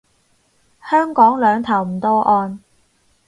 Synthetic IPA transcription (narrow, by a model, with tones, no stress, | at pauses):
hœː˥ŋkɔː˨˥ŋlœː˨˧ŋt̪ʰɐ˨˩wm̩˨˩t̪ɔː˥ʔɔː˧n